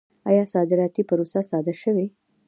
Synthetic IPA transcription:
a̰jɑsɑd̪ɪɾɑt̪ipəɾosasɑd̪aʃəwi

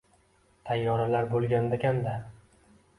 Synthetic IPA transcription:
t̪ʰajːɒɾalaɾbolˠɡʲand̪akʲand̪a

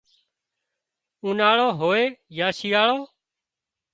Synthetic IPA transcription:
ũːnaːɭoːɦoːeːjaːsijaːɭoː

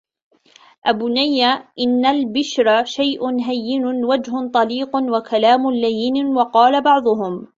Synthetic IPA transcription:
ʔabʊnajːaʔɪnːalbɪʃɾaʃajʔʊnɦajːɪnʊwad͡ʒɦʊt̪ˤɑliːqnwakʰalaːmʊlajɪnwɑqɑːlabɑʕd̪ˤʊɦʊm

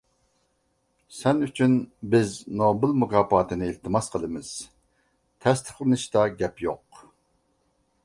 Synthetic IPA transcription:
sɛnyt͡ʃʰynbɪznobɨlˠmukʰɑːpɑːt̪ɨnɨilt̪ʰɨmɑsqʰəlˠɨmɨz̥ | t̪ʰɛst̪ʰə̥χlˠɨnɨʃt̪ɑɡʲɛpjoq

